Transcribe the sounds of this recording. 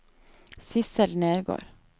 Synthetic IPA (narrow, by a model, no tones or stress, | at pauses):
sɪsəlneːɾɡo̰ːɾ